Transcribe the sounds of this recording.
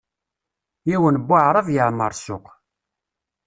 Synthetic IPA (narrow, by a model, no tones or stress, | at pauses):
iwənbːaʕɾˤəvjəʕmːəɾˤsʊq